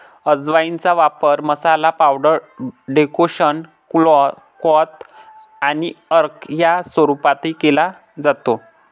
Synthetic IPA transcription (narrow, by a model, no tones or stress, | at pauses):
əd͡zʋaint͡saʋapəɾməsalapawɖəɾɖekoɕən | kl | kɔt̪ | aniəɾkjasʋəɾupat̪ekela | d͡zat̪o